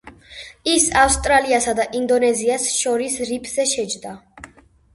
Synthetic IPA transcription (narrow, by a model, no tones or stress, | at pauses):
isafst̪ʼɾaliasad̪aʔind̪ɔnɛziasʃɔɾisɾipʰz̥ɛʃɛd͡ʒd̪a